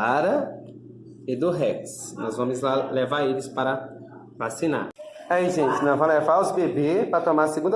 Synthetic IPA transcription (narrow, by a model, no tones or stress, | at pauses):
aɾɐ | ɪd̪ʊɦɛksnɔzvɐ̃mʊzlalevaɾelɪspaɾɐ | vasĩna̰ɾ | aiʒẽt͡ʃɪnɐ̃w̃vɐ̃w̃levaɾʊzbebepɾɐt̪õmaɾseɡũd̪